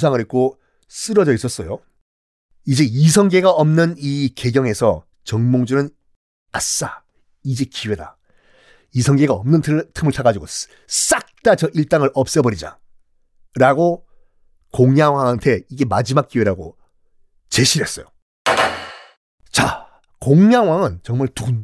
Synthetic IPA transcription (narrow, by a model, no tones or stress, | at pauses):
sʰaŋɯɾek̚k͈o | s͈ɯɾʌd͡ʑʌis͈ʌs͈ʌjo | id͡ʑe̞isʰʌŋɡe̞ɡaʌmnɯnike̞ɡjʌŋe̞sʰʌ | t͡ɕʌŋmoŋd͡ʑunɯn | as͈a | id͡ʑe̞kiwe̞da | isʰʌŋɡe̞ɡaʌmnɯnʰtʰɯmɯɭt͡ɕʰaɡad͡ʑuɡo | s͈ak̚t͈at͡ɕʌʔiɭt͈aŋɯɭʔʌp̚s͈ʌbʌɾid͡ʑa̰ | ɾaɡo | koŋjaŋwaŋɦantʰe̞iɡe̞mad͡ʑimak̚k͈iwe̞ɾaɡo̰ | t͡ɕe̞ɕʰiɾɦe̞s͈ʌjo | t͡ɕa | koŋjaŋɦwaŋɯnt͡ɕʌŋmaɭtu